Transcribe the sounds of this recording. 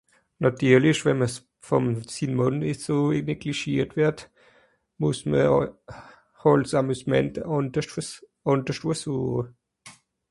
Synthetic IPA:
natʰyːɐlɪʃvɛnməs | fɔmsinmɔnɪsoneɡliʃiːtv̥ɛɐt | mʊsmə | hɔlsamysmɛ̰ntəʔɑndəʃtfʔɑndəʃtuːɐsuːχə

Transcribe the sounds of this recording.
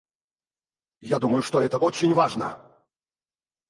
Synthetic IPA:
jad̪uməjʊʂt̪oɛt̪əot͡ɕɪnʲvaʐnə̰

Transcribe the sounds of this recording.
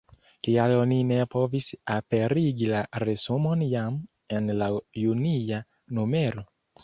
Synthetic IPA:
kialonine̞po̞visape̞ɾiɡilaɾezumo̞njam | e̞nlajunia | nume̞ɾo

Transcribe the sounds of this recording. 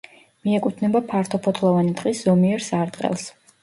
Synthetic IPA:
miɛkʼut̪ʰnɛbapʰaɾt̪ʰɔpʰɔt̪ʰlˠɔvanid̪ʼqʼiszɔmiɛɾsaɾd̪qʼɛ̰lˠs

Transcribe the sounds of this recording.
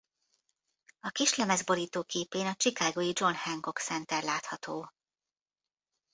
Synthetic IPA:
ɒkiʃlɛmɛzbo̞ɾiːt̪oːkeːpeːnɒt͡ʃikaːɡoːjid͡ʒo̞nhɛŋko̞ksɛnt̪ɛrlaːt̪hɒt̪oː

